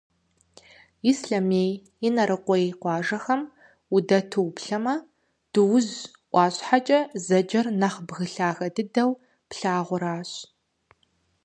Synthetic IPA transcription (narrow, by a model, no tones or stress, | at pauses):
isɬɐmeːj | ɪnɐɾɨqʷɔjqʷɑːʒɐxɐm | ʊdɐtʰɨwpɬɐmɐ | d̥ɨwʊz | ʔʷɑːɕʼħat͡ʃʼɐzɐd͡ʒɐrnɐχbɣɨɬaːɣɐdɨdɐw | pɬaːʁʷʊɾaːɕʼ